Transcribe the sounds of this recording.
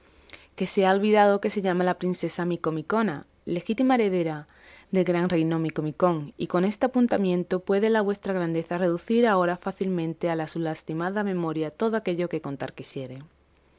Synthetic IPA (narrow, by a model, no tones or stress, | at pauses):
ke̞seaolβiðað̞o̞ke̞se̞ʎamalapɾinse̞samiko̞miko̞na | le̞xit̪imaeɾe̞ðe̞ɾa | ðe̞lɣɾaŋrejno̞miko̞miko̞ŋiko̞ne̞st̪eapunt̪amjẽ̞nt̪o̞pwe̞ðe̞laβ̞west̪ɾaɣ̞ɾand̪e̞θare̞ðuθiɾao̞ɾafaθilmẽ̞nt̪e̞alasulast̪imaðamẽ̞mo̞ɾjat̪o̞ð̞oake̞ʎo̞ke̞ko̞nt̪a̰ɾkisje̞ɾe̞